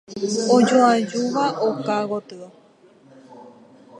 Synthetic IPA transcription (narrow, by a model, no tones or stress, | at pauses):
od͡ʒoad͡ʒuʋaʔokaɣot̪ɨo